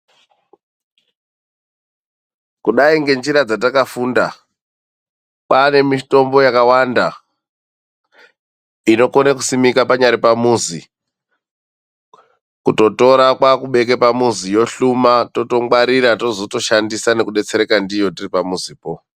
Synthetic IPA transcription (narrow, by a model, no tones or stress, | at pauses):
kuɗaiŋɡe̞nd͡ʒiɾad͡zat̬akafunda | pane̞mito̞mbo̞jakawanda | ino̞konaku̥simikapaɲaɾipamuzi | kuto̞to̞ɾakwakuɓe̞k̬e̞pamuzijo̞ɬumato̞to̞mwaɾiɾatozoto̞ʃandisane̞kuɗe̞t͡se̞ɾe̞kandijo̞tiripamuziːpo̞